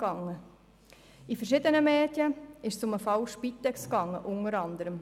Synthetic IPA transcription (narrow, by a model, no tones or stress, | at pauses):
ɡ̥ɑŋːə | ifəɾʃɪd̪ənəmeːd̥jəɪʃsʊməfɑwʃpit̪ːɛkskɑŋːəʔʊnəɾɑnd̪əɾəm